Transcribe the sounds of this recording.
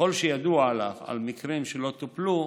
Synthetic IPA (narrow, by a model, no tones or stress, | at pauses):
o̞lʃejad̪uaːlaχa̰lmikʁimʃelo̞t̪uplu